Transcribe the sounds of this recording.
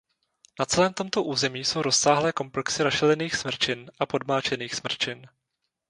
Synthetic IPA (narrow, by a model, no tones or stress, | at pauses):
nat͡sɛlɛːmt̪o̞mt̪o̞ʔuːzɛmiːso̞wɾo̞ssaːɦlɛːko̞mplɛksɪɾaʃɛlɛniːxsmr̩t͡ʃɪnʔapo̞dmaːt͡ʃɛniːxsmr̩t͡ʃɪn